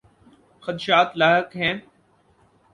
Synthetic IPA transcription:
xəd̪ʃaːt̪laːɦɪkɦɛ̃ː

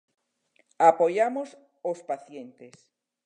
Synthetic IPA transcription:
apojamos | ospaθjẽnt̪es

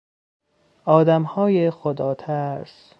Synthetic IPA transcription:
ʔɒːd̪æmhɒːjexod̪ɒːt̪ʰæɾs

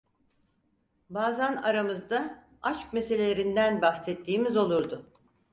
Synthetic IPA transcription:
baːzanaɾamɯzd̪a | aʃk̚me̞selʲe̞lʲeɾind̪ænbaxsɛt̪ʰːiːmizo̞lˠuɾd̪ʊ

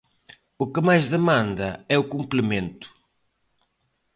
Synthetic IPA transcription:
ʊkɪmajzðemãnd̪ɐɛʊkumplɪmẽnt̪ʊ̥

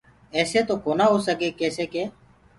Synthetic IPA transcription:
ɛːseːt̪oːkoːnaːɦoːsəkeːkeːseːkeː

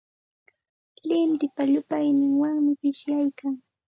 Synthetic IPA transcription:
lɪmt̪ɪpaʎʊpajnɪŋwaŋmɪɢɪʃjajkaŋ

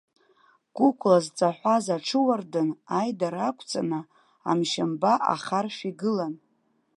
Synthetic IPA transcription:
kʷʼʊkʷʰʼlazt͡sʼaħʷazaʈ͡ʂʰɨwardɨnajdaɾakʷʰt͡sʼa̰nɨ | a̰mʃambaʔa̰χarʃiɡɨlan

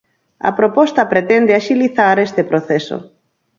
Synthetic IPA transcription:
ɐ̰pɾopɔst̪ɐpɾet̪ɛnd̪eaʃiliθaɾest̪epɾoθeso̰

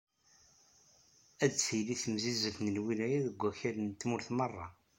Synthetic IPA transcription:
æd̪t͡sfiliθəmzizəfnənwinæjæðəɡʷːæçæɾnt̪ːmʊɾθmɑrˤːɑ̰

